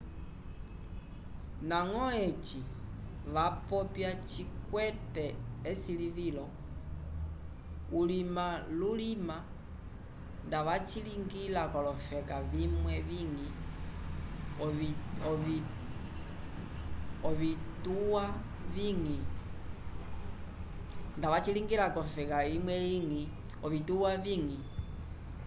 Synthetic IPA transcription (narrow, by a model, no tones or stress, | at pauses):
naŋɔɛt͡ʃi | ʋapɔpjat͡ʃikwɛtɛːsilivilɔ | ulimalulima | ndaʋat͡ʃiliŋɡilakɔlɔfɛkaʋimwɛʋiŋi | ɔi | ɔβituwa | βiŋi | ndaʋat͡ʃiliŋɡilakɔfɛkaimwɛiŋi | ɔʋituwaviŋi